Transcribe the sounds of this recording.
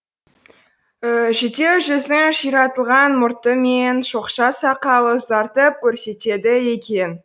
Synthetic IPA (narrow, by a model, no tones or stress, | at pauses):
ʒet̪e̞wʒɵzɪŋʃijɾɑt̪əlˠʁɑnmʊɾt̪əmenʃo̞qʃɑsɑqɑw̪ˠəzɑɾt̪əp̚kʲʰɵɾse̞t̪e̞d̪ɪje̞kʲʰe̞n